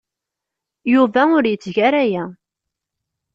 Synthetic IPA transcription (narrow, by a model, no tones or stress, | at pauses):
juvæʊɾjət͡sːʝaɾæjæ